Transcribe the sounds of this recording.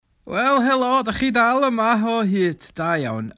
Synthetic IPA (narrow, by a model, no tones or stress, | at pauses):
wɛlˠɦɛlˠɔdaχidalˠəmaɦɔɦɨːd̥d̥aja̰wn